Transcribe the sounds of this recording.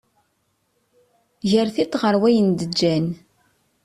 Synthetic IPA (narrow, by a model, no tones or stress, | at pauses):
ʝəɾθit̪ʁəɾwæjənd̪əd͡ʒːæn